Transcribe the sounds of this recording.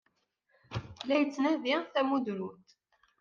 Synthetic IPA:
læjət͡sːnæðiθæmud̪ɾut̪

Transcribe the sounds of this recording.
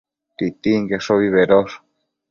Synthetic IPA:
t̪it̪iŋkesoβiβeɾos

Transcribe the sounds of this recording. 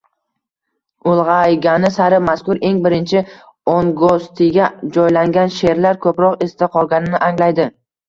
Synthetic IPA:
ʊlˠʁɑjɡʲanɪsaɾɪmaskʊɾe̞ŋbɪɾɪnt͡ʃʰɪ | onɡost̪ʰɪɡʲad͡ʒɒjlaŋɡʲanʃe̞ɾlaɾkʰɵpɾɒqest̪aqʰɒlˠɡʲanɪnɪʔaŋlajd̪ɪ

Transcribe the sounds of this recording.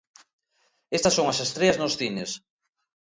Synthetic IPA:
est̪ɐsoŋɐsest̪ɾeɐznʊsθines

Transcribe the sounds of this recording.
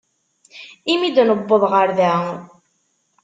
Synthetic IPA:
imid̪nəbːəðˤʁəɾðæ

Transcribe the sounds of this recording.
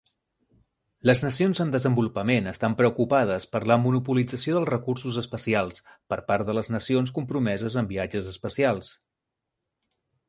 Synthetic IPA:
ləznəsionzənd̪əzəmbulupəmenəst̪ampɾəukupað̞əspəɾləmunupulid͡zəsioðəlˠzrəkursuzəspəsialˠspəɾpaɾt̪ðələznəsions̬kumpɾumɛzəzəmbiad͡ʒəzəspəsialˠs

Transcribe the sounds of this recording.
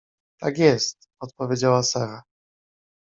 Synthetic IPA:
t̪akʲjɛst̪̚ | ɔt̪pɔvʲjed͡ʑawasaɾa

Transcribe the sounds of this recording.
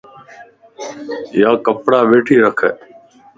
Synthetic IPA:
jaːkəpɽaːɓeːʈʰiːɾəkʰɛ̰ː

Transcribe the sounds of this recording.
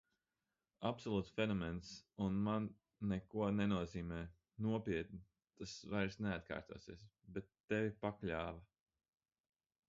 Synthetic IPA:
apsɔlˠuːt̪sfʲɛnɔmɛnsunmanː | ɛkuɔnenuɔziːmɛː | nuɔpʲiɛt̪̚ni | t̪asvajɾsneat̪̚ka̰ːɾt̪ṵɔsiɛsbɛt̪ːɛvʲipaklʲaːva

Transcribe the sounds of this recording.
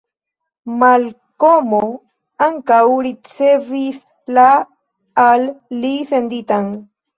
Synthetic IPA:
mal | komo | aŋkawɾit͡sevis | la | alːiθend̪it̪an

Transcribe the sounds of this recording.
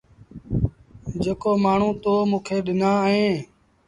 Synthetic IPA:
d͡ʒeːkoːmaːɳ̤ũːt̪oːmũːkʰeːɗɪnãːɦẽː

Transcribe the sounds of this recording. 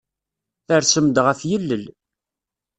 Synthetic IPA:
θəɾsəmd̪ʁæθjəlːəl

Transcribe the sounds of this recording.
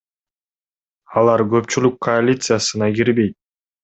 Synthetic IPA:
ɑlˠɑɾɡɵ̞pt͡ʃylykʰːoalʲit̪sɨjasɯnɑɡiɾbe̞jt̪̚

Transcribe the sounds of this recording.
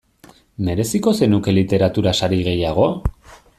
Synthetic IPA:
me̞ɾe̞siko̞se̞nuke̞lit̪e̞ɾat̪uɾasaɾiɣe̞jaɣ̞o̞

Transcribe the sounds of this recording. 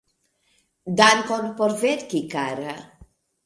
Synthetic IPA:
d̪ankɔnpɔɾveɾkikaɾa

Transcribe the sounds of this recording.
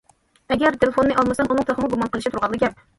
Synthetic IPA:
ɛɡʲɛɾt̪ʰelefonːɨʔɑlˠmɨsɛmunɨŋt̪ʰøχəmuɡumɑnqəlˠɪʃit̪uɾʁɑd̪lˠɨɡʲɛp̚

